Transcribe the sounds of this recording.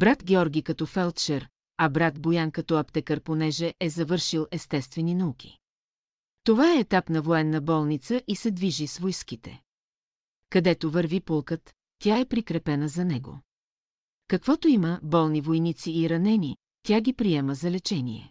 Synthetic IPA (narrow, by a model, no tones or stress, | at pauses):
b̥ɾat̪ɡʲɛɔɾɡikɐt̪ɔfɛlˠt̪t͡ʃɛɾ | ɐbɾat̪bojankɐt̪ɔɐpt̪ɛkəɾponɛʒɛʔɛzɐvɤɾʃilˠɛst̪ɛst̪vɛninɐukʲi̥ | t̪ovaɛːt̪apn̪ɐvoɛnːəbɔlˠnit̪səʔisɛd̪viʒisvojskit̪ɛ | kɐd̪ɛt̪ovəɾvipolˠkət̪ːʲ | jaɛpɾikɾɛpɛnəzɐnɛɡo̰ | kɐkvɔt̪oiməbɔlˠnivojnit̪siːɾɐnɛni | t̪ʲaɡʲipɾiɛməzɐlɛt͡ʃɛnḭɛ̰